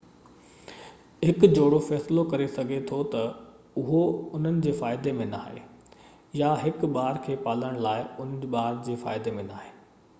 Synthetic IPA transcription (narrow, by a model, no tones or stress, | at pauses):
ɦɪkd͡ʑoːɽofɛːslokɐɾesɐɡʱet̪ʰot̪ɐ | ʊɦoʊn̤ənɪ̆d͡ʑeːfaːɪd̪emẽnaːɦḛː | jaɦɪkɓaːɾkʰeːpaːləɽ̃laːɪʊnɓaːɾd͡ʑeːfa̰ːɪd̪emẽnaːɦeː